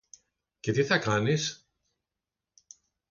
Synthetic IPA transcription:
ce̞t̪iθɐkɐnis

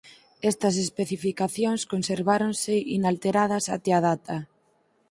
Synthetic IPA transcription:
ɛst̪ɐs̬espeθifikaθjoŋskonseɾβaɾonsɪinalt̪eɾað̞ɐsa̰t̪eað̞at̪a

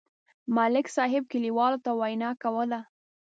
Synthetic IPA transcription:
mɑlɪksɑɦɪb̚kɪliwɑlot̪awajnɑkawəla

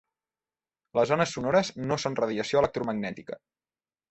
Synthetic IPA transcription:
ləzɔnəsːunɔɾəznosonrəðiəsioələk̚t̪ɾuməɡnɛt̪ikə̰

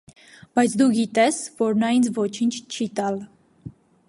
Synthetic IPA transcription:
b̥ɑjt͡sʰd̪uɡit̪ɛsvɔɾnɑjint͡sʰvɔt͡ʃʰint͡ʃʰt͡ʃʰit̪ɑl

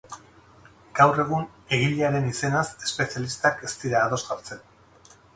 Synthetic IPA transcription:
ɡ̥awre̞ɣ̞un | e̞ɣiʎeaɾe̞nise̞nase̞̥spe̞sialist̪ake̞st̪iɾaːðo̞zɣaɾt͡se̞n

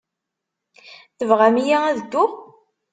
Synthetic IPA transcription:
θəvʁæmijaæðəd̪ːʊʁ

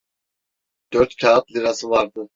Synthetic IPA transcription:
d̪̥øɾt̪cʰaat̪liɾasɯvaɾd̪ɯ

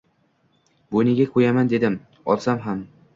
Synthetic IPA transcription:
bojnɪɡʲakʰɵjamand̪e̞d̪ɪm | ɒ̰lˠsamɦam

